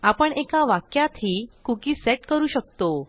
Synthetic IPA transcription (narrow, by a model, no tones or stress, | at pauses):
apəɳekaʋakjat̪ʰɦiːkukiːseʈkəɾuːɕək̚t̪o